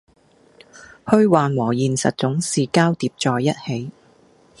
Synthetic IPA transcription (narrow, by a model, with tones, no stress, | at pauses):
hɵ˧ɥwaː˨nwɔː˨˩jiː˨nsɐ̰˨t̚t͡sʊ˨˥ŋsiː˨kaː˥wt̪iː˧p̚t͡sɔː˨˧jːɐ˥t̚he˨˥j